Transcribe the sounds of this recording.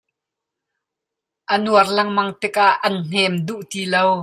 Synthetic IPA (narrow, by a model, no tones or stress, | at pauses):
ʔənuɐrlɐŋmɐŋt̪ɪk̚ʔaʔːɐnn̥ɛmd̪uʔt̪iːlow